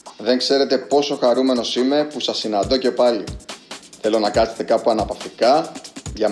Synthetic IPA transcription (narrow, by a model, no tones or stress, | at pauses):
ðe̞ŋkse̞ɾe̞t̪e̞po̞so̞xɐɾume̞no̞sime̞pusɐsːinɐnd̪o̞ce̞pɐliθe̞lo̞nɐkɐset̪e̞kɐpuɐnɐpɐft̪ikɐʝɐ